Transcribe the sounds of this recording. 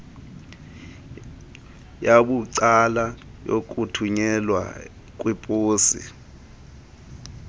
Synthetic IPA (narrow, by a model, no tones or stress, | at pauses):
jaɓuǀalajok̬ʼutʰuɲɛlwa̰ | kʼwipʼuːsḭ